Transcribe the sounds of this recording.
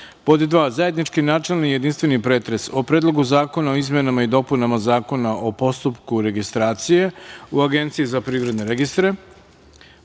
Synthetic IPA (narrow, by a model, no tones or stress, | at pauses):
ʋo̞d̪ed̪ʋaːzajed̪nit͡ʃkinaːt͡ʃelˠnije̞d̪inst̪ʋenipɾe̞ːt̪ɾe̞so̞pɾeːd̪lˠo̞ɡuzaːko̞nao̞izmjenamaid̪o̞punamazaːko̞naʔo̞po̞st̪upkuɾe̞ɡist̪ɾaːt̪sije̞uaɡe̞nt̪sijizapɾiːʋɾe̞d̪ne̞ɾeɡist̪ɾe̞